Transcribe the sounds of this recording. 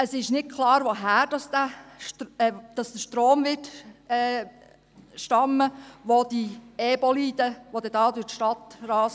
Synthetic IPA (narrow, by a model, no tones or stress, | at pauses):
əsɪʃnɪt̚kʰlɑːɾʋoɦæːɾd̥ɑsd̥æ | d̥ɑsd̥̪əʃtɾoːmʋɪtɛ | ʃtɑmːəʋod̪iɛbɔliːd̥əʋod̪ɛdɑːdutʃtɑtɾɑːs